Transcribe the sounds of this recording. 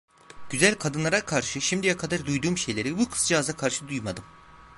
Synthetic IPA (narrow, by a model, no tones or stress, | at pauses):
ɟ̥yzælʲkʰad̪ɯnlˠaɾakʰaɾʃɯʃimd̪ijakʰad̪aɾd̪ujd̪uːmʃe̞jlʲe̞ɾibukʰɯ̥sd͡ʒiazakʰaɾʃɯd̪ujmad̪ɯm